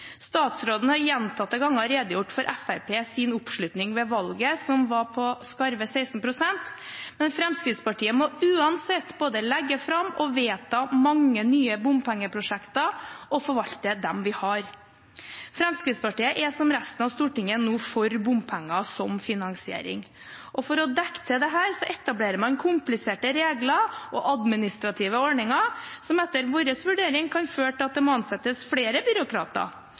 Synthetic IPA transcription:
st̪ɑːt̪sɾoːd̪n̩əhɑɾjɛnt̪ʰɑt̪̚ːɛɡɑŋːɑɾeːd̪əjʊʈːfɔɾʔɛfæɾpʰeːsɪnʊpʂɭʉt̪nɪŋʋɛʋɑlɡəsɔmʋɑpʰɔskɑɾʋəsæɪsnpʰɾʊsɛnt̪mɛnfɾɛmskɾɪd̪spɑʈiːəmɔʉːɑnsɛt̪ːboːd̪əlɛɡːəfɾɑmɔʋeːt̪ʰɑːmɑŋːənyːəbʊmpʰæŋːəpʰɾʊʂɛkt̪ɑɔfɔɾʋɑʎt̪əd̪ɛmʋɪhɑɾ | fɾɛmskɾɪd̪spɑʈiːəʔɛsɔmɾæst̪ənɑʋst̪uːʈɪŋːənuːfɔɾbʊmpʰæŋːɑsɔmfɪnɑŋsɪḛːɾɪ̰ŋ | ʔɔfɔɾɔd̪ɛkt̪ʰəd̪ɛɦæːɾsɔʔɛt̪ɑbleːɾəmɑnkʰʊmplɪseːʈəɾeːɡlɑʔɔʔɑd̪mɪnɪst̪ɾɑt̪ʰɪːʋəɔɳɪŋɑsɔmɛt̪ːəɾʋoːɾəsʋʉɖeːɾɪŋkʰɑnføːʈɪɑt̪̚d̪ɛmoɑnsɛt̪ːəsfɽeːɾəbʏɾʊkʰɾɑ̰ːt̪ɑ̰

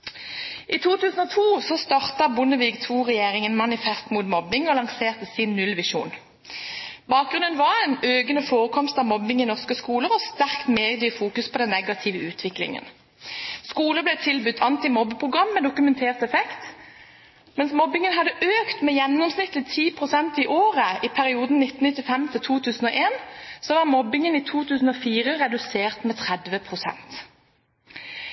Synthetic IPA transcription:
ʔiːt̪ʰuːt̪ʰʉːsən̩ɔt̪ʰuːsɔst̪ɑʁt̪ɑbʊnəʋiːɡt̪ʰuːʁɛjeːʁɪŋənmɑnɪfɛst̪muːt̪mɔbɪŋɔlɑŋseːʁt̪əsɪnːʉlʋɪʃṵːn | bɑːk̚ɡʁʉnənʋɑʁɛnøːɡənəfoːʁəkʰɔmst̪ɑʋmɔbɪŋinɔʁskəskuːləʁɔst̪æʁkt̪meːd̪yːfuːkʉspʰɔːd̪ɛnːɛɡɑt̪ʰɪʋəʉːt̪ʰʋɪklɪ̰ŋə̰n | skuːləblɛt̪ʰɪlbʉt̪ːʰɑnt̪ɪmɔbəpʰʁʊɡʁɑmːɛd̪ʊkʉmɛnt̪ʰeːʁt̪ɛfɛkt̪ | mɛnsmɔbɪŋənhɑd̪əʔøːkt̪mɛjɛnːɔmsnɪt̪ːlɪt̪ʰiːpʰʁʊsɛnt̪iʔoːʁəipʰæʁɪuːd̪n̩nɪt̪n̩ɪt̪ːɪfɛmt̪ʰɪlt̪ʰuːt̪ʰʉːsn̩ɔʔeːnsoːʋɑːʁmɔbɪŋəniːt̪ʰuːt̪ʰʉːsn̩ɔfiːʁəʁɛd̪ʉseːʁt̪mɛːt̪ʰʁɛd̪ʋəpʰʁʊsɛ̰nt̪

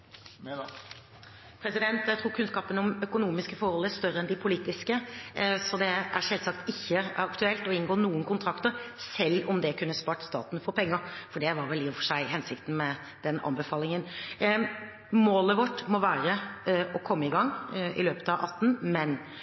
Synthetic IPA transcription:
pʰɾɛsɪd̪ɛnt̪jæɪt̪ʰɾuːɾkʰʉnskɑːpənɔmœkʊnuːmɪskəfɔɾhɔlːəæst̪œɾəɛnd̪ɪpʰʊliːt̪ɪskəsɔd̪ɛæɾʂɛlsɑkt̪ɪçːəɑkt̪ʉɛlt̪ɔɪnɡoːnuːənkʊnt̪ʰɾɑkt̪əɾsɛlːɔmd̪ɛkʰʉnːəspɑːʈst̪ɑ̰ːt̪nfɔɾpʰɛŋːəɾfɔɖɛʋɑɾʋɛlːiːfɔʂæɪɦɛnsɪkt̪n̩mɛ | d̪̥ɛnɑ̰nbəfɑːlɪŋən | moːləʋɔʈːmɔʋæːɾəɔkʰɔmːəɪɡɑŋɪ̰løːpət̪ɑʋʔɑt̪ːn̩mɛn

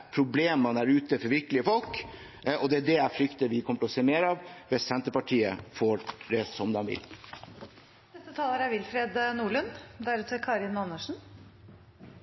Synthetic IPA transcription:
pʰɾʊbleːmɑnæɾʉːt̪əfɔɾʋɪɾkəlɪəfɔlk | ɔd̪ɛæɖɛæfɾʏkt̪əʋɪkʰɔməʈʰɛlɔseːmeːɾɑʋʋɛsɛnt̪əpɑʈʰiːəfoːɖɛsɔmd̪ɑnʋɪ̰l | d̪ɛst̪ət̪ʰɑːləɾæɾʋɪlfɾeːd̪nuːɭʉnd̪æɾʉːt̪əkʰɑːɾɪnːɑnəʂɳ̩

